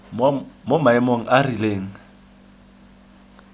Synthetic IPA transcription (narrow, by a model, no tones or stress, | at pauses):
momaɛmoŋ̩ʔarileːŋ̩